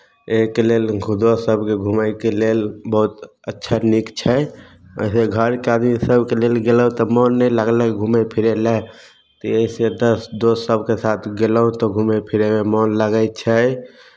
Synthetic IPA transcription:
ekelelɡʱud̪osəbʱkeɡʱuməjkelelbɔɦut̪ | ətːʃʰanikt͡ʃʰɛ | ə̰ɪseɡʱəɾkead̪misəbkelelɡeləɦut̪ɔmɔnːɛləɡləɡʱumepʰiɾelɛ | t̪ɔesed̪əsd̪osːəbʱkesat̪ʰɡeləɦũt̪ɔɡʱumepʰiɾememɔnləɡəɪt͡ʃʰɛ

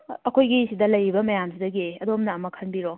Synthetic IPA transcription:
ɐkʰojɡisidɐlɐjibɐmɐjamsidɐɡiɐdomnɐːmɐkʰɐnbiɾo

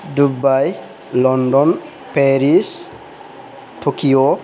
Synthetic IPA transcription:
dubaj | lɔndɔn | pɛɹis | tʰokijɔ

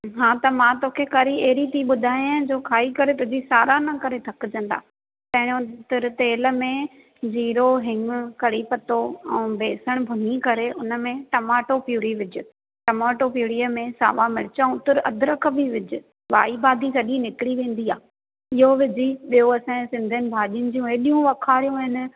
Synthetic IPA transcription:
ɦãːt̪ɐmãt̪oːkʰekɐɾieɦɾit̪iːɓʊd̪ʱaːjãd͡ʑoːkʰaːikɐɾet̪ʊd͡ʑisaːɾanɐkɐɾet̪ʰɐkɪd͡ʑɐ̃n̆d̪a̰ː | t̪ɐ̃ɦɪɽ̃õt̪ɪɾt̪eːlə̆mẽ | d͡ʑiːɾoɦɪ̃ŋɡ̆kɐɾipɐt̪oɛ̃ːbʱeːsəɽ̃bʱʊnikɐɾeʊnə̆mẽʈɐmaːʈopjuːɽiʋɪd͡ʑʊ̆ | ʈɐmaːʈopjuːɽijəmẽsa̰ːʋamɪɽɪt͡ɕaũt̪ɪɾɐ̰d̪ʱɾəkʰəbʱiʋɪd͡ʑʊ̆ | ʋa̰ːibaːd̪ʱikɐɗĩnɪkɪɽiʋẽːn̆d̪iaː | ɪɦoʋɪd͡ʑiɓijoɐsɛ̃sɪ̃nd̪ʱənɪ̆bʱaːʄijənɪ̆d͡ʑijũɦeːɗijũʋɐkʰaːɾijũɦɪnɪ̆

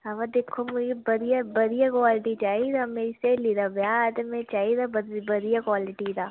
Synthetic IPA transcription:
ɦɐʋad̪eːkʰːomʊd͡ʒebɐɾijabɐɾijakwaːlɪʈit͡ʃaːɦid̪ameɪselid̪abjad̪mẽt͡ʃaːid̪abɾbɐɾijakwaːlɪʈid̪aː

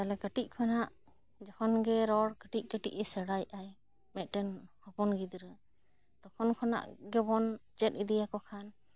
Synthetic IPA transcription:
t̪alɛkəʈic̚ˀkʰɔnaʔ | d͡ʒɔhʰɔnɡɛɾɔɽkəʈic̚ˀkəʈiʔɛsɛɽajaj | mɛt̪̚ˀʈɛnhɔpɔnɡid̪ɾə | t̪ɔkʰɔnkʰɔna̰ʔɡɛbɔnd͡ʒɛt̪̚id̪ijakɔkʰan

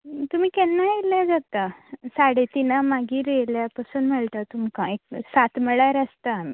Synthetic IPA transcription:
t̪um̤iːkɛnːajeljad͡zat̪asaɽet̪inamaɡiːɾeljapəsuːnm̤əɭt̪at̪umkãek̚sat̪məɭaɾəst̪ami

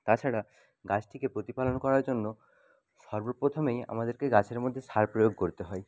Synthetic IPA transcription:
t̪at͡ɕʰaɽa | ɡat͡ɕʈʰikepɾot̪ipalonkɔɾaɾd͡ʑonːo | ʃɔɾbopɾot̪ʰomeja̰mad̪eɾkeɡat͡ɕʰeɾmod̪ʱːeʃaɾpɾojoɡkoɾit̪eɦɔe

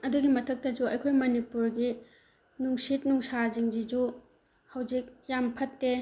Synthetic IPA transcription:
ɐduɡimɐtʰɐk̚tɐd͡ʒuɐjkʰojmɐnipuɾɡi | nuŋsit̚nuŋsaziŋd͡ʒid͡ʒu | hɐwd͡ʒik̚jampʰɐtːe

